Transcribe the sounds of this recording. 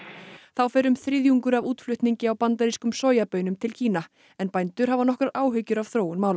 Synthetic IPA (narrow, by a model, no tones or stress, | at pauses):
θawfɛːɾʏmθɾɪðjuŋkʏɾavuːt̪flʏht̪niɲcɪawpant̪aɾiskʏmsoːjapœːɥnʏmt̪ʰɪlcʰiːna | ɛnpajnt̪ʏɾ̥ɦavanɔhkɾaɾaːwɦʏcːʏɾav̥θɾoːwʏnmaːwl